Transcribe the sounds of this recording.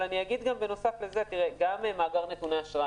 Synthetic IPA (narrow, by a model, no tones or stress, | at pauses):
laniaɡid̪ɡambe̞no̞safleze̞t̪iʁeɡamemaːɡaʁne̞t̪uneaʃʁa